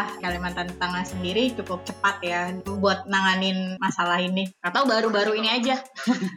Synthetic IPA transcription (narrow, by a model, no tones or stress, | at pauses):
ahkalimant̪ant̪aŋasəndiɾit͡ʃukʊp̚t͡ʃəpat̪̚jabuat̪̚naŋanɪnmasalahinikat̪awbaɾubaɾuiniad͡ʒa